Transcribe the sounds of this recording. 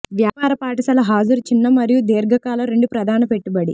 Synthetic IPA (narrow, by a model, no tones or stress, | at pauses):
ʋjaːpaːɾɐpaːʈɐsɐlɐɦaːd͡ʒuɾut͡ʃinːɐmɐɾijud̪eːɾɡʱɐkaːlɐɾe̞ɳɖupɾɐd̪ʱaːnɐpe̞ʈːubɐɽi